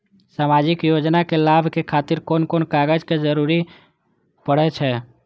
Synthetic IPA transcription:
samad͡ʒikjod͡ʒnakelabʱkekʰat̪iɾkonkonkaɡəd͡ʒked͡ʒəɾuɾi | pəɽɛt͡ʃʰɛ

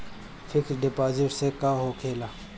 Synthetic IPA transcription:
fʰɪkʰɾɖɪpaːzɪʈsekaːɦokʰeːlaː

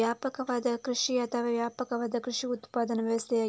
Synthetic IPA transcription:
jaːpɐkɐʋɐd̪ɐkɾɨʂiɐt̪ʰɐʋɐʋjaːpɐkɐʋɐd̪ɐkɾɨʂiut̪pːaːd̪ɐnɐʋɛʋɐst̪eja

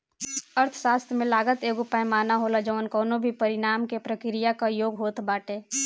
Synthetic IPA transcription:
əɾt̪ʰʃaːst̪ʰmẽlaːɡət̪eːɡʊpaẽmaːnaɦoːlad͡ʒəʋnkɔːnõbʱipəɾɪɽaːmkepɾəkɾijakajoːɡɦoːt̪baːʈeː

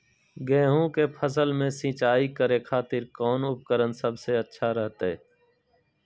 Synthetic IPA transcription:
ɡẽːɦũːkeːpʰəsəlmẽːsĩːt͡ʃaːiːkəɾeːkʰaːt̪ɪɾkɔːnʊp̚kəɾənsəbseətːʃʰaːɾəɦt̪eː

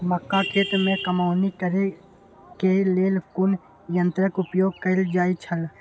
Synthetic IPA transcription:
məkːakʰeːt̪mẽkəmaːʊnikəɾe | keleːlkʊn | jə̃nt̪ɾəkʊpjoːɡ̚kəld͡ʒaːit͡ʃʰəl

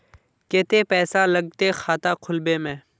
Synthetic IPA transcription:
keːt̪eːpɛːsaːləɡ̚t̪eːxaːt̪aːkʰʊlbeːmẽː

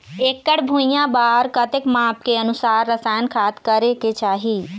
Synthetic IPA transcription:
eːkːəɽbʱũːjãbaːɾkət̪ɪkmaːp̚keənʊsaːɾːəsaːjənkʰaːt̪kəɾeket͡ʃaːɦiː

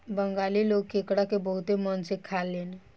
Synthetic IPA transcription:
bəŋɡaːliloːɡkekɽakebəɦʊt̪emənsekʰalːeːn

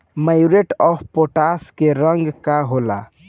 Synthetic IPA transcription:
majuɾeʈɔbʰpoʈaskeɾəŋɡkaɦola̰

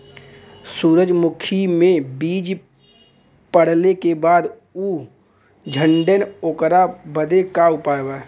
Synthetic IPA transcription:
suːɾəd͡ʒmʊkʰimẽbiːd͡ʒ | pəɽ̤lekebaːd̪ | uː | d͡ʒʱə̃ɳɖenoːkɾabəd̪ekaʊpaːewaː

